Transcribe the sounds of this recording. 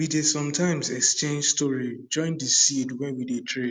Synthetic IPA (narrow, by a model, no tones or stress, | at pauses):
widesɔ̃mtʰãɪ̃msɛkst͡ʃẽnd͡ʒstɔɹid͡ʒɔ̃ɪ̃ndisidwɛ̃nwidetʰɹe